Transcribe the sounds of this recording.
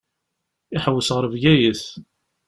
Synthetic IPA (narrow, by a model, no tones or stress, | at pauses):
ɪħəwːəsʁəɾvʝæjiθ